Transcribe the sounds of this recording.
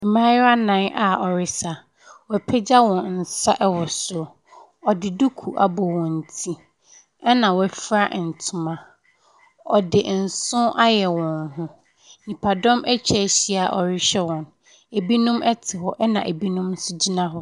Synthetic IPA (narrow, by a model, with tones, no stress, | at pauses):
mã˦jɪ˦a˦nã˨˦nʔa˨ɔ˨ɾɪ˦sa˨ | wɛ˨pʰɛ˦d͡ʑa˦wɔ̃˨nn̩˨sa˦ʔɛ˦wɔ˨sʊ˨ | ɔ˨dɪ˨du˦kʰu˨ʔa̰˨bɔ˨wɔ̃˨n̩˨tʰi˦ | ɛ˦nã˨wɔ˨˦ɛ˨fɾa˦ʔn̩˨tʰʊ˨mã˨ | ɔ˨dɪ˨n̩˨sʊ̃˦ʔa˦jɛ˨wɔ̃˨nɦʊ̃˦ | nĩ˨pʰa˨dɔ̃˦mɛ˦t͡ɕʰɛ˦˨ɕi˦a˨ʔɔ˨ɾɪ˦ɕɛ˦wɔ̃˨n | e˨bi˦nʊ̃˦mʔɛ˦tʰɪ˨ɦɔ˦ʔɛ˦nã̰˨ʔe˨bi˦nʊ̃˦msʊ˦d͡ʑi˦nã˦ɦɔ˦